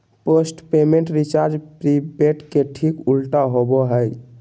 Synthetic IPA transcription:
posʈpemẽɳʈɾit͡ʃaɾd͡ʒpɾibeʈkeʈʰikʊlʈaɦoboɦəj

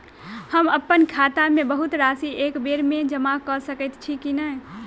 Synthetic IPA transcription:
həməpːənkʰat̪amẽbəɦut̪ɾasiekbeɾmẽd͡ʒəmakɔsəkət̪t͡ʃʰikinəj

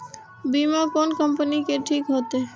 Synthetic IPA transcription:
bimakonkʌmpanikeʈʰikɦot̪e

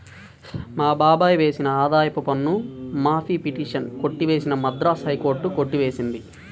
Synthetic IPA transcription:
maːbaːbaːjʋe̞ːsinɐaːd̪aːjɐpɐpɐnːumaːpʰiːpiʈiːʂɐnko̞ʈːiʋe̞ːsinɐmɐd̪ɾaːsɦɐjko̞ːɾʈːuko̞ʈːiʋe̞ːsind̪i

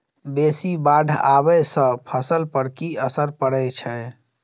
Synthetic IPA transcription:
besibaɖʱa̰bɛsə̃pʰəsəlpəɾkiəsəɾpəɽɛt͡ʃʰɛ

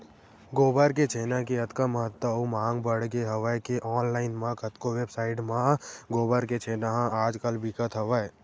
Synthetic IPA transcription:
ɡoːbaɾk̬et͡ʃʰeːnakeɐt̪kaməɦət̪ːəumãːŋɡbəɽɡeɦɐʋajkeʔɔːnlaːɪnmãːkət̪koʋeːbsaːɪʈmãɡoːbaɾket͡ʃʰeːnaɦãaːd͡ʒkəlbikət̪ɦɐʋaj

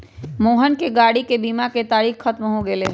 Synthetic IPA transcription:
moːɦənkeɡaːɽikebiːmaket̪aːɾiːxːət̪mɦoɡele

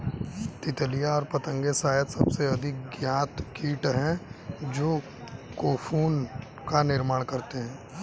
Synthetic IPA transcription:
t̪ɪt̪lijaɔːɾpɐt̪ə̃ŋɡesaːjəd̪sɐbseɐd̪ʱɪk̚ɡjãːt̪kiːʈɦɛ̃d͡ʒoː | koːfʰuːn | kanɪɾmaːɽ̃kɐɾt̪eɦɛ̃ː

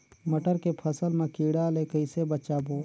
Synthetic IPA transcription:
məʈəɾkepʰəsəlmẽkiːɽalekəɪsebət͡ʃaːboː

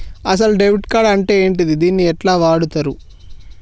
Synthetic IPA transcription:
ɐs̬ɐluɖeʋiʈkaːɖɐɳʈe̞ːeːɳʈid̪id̪iːnːiɛʈlaːʋaːɽut̪aːɾu

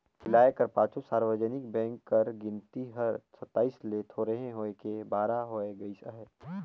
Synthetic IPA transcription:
kɪlaːekɐɾpaːt͡ʃusaːɾwəd͡ʒənɪkbɛ̃ːŋkːɐɾɡɪ̃nt̪iɦɐɾsɐt̪ːaːiːslet̪ʰoːɾəɦẽɦoːekebaːɾaɦoːeɡɐisəɦɛ

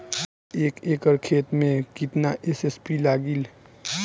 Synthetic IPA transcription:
eːkeːkəɾkʰeːt̪mẽkit̪naʔesespilaːɡil

